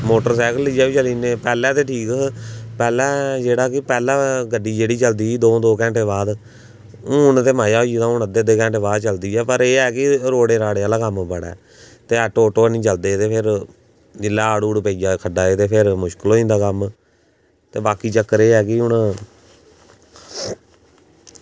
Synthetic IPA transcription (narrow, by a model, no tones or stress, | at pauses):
moːʈəɾsɛːkəlːid͡ʒaːʋiːt͡ʃəlĩːnẽːpɛːlɛ̃ːt̪eːʈʰiːkpɛːlɛ̃ːd͡ʒeːɽaːkɪpɛːlɛ̃ːɡəɖiːd͡ʒeːɽiːt͡ʃəld̪iːiːd̪oːd̪oːkɛ̃ːɳʈeːβaːd̪ | ʊːɳt̪eːmaːjaːoːt̪ãːɳəd̪eːd̪eːkɛ̃ːɳʈeːbaːd̪t͡ʃəld̪iːɛːpəɾeːɛːkɪɾoːɽeːɾaːɽeːaːlaːkəmbəɽɛ̰ː | t̪eːəʈoːʈoːnĩːt͡ʃəld̪eːt̪eːpʰɪɾ | d͡ʒɪlːaːaːɽuːɽpəid͡ʒaːkʰəɖaːeːt̪eːpʰɪɾmʊʃkəloːĩːnd̪aːkəm | t̪eːbaːkiːt͡ʃəkːəɾeːɛːkɪʊɳ